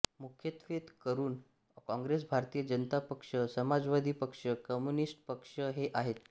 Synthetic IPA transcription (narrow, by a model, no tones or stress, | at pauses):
mukʰjət̪ʋet̪kəɾuːn | kɔ̃ŋɡɾesbʱaɾt̪iːjəd͡ʑənət̪apəkʂəsəmad͡zʋad̪ʱiːpəkʂəkəmjunisʈpəkʂəɦeʔaɦet̪